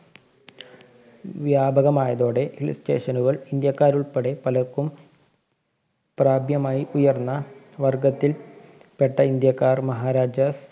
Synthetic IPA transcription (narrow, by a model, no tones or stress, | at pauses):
ʋjaːbʱɐɣɐmaːjɐðo̞ːɽe̞ʔilste̞̰ːʂɐnuɣɐɭind̪jɐkːaːɾuɭpɐɽe̞pɐlɐkːum | praːbʱjɐmaːjiujɐrnːɐ | ʋɐrɡɐt̪ːil | peʈːɐind̪jɐkːaːrmɐɦaːɾaːd͡ʑɐs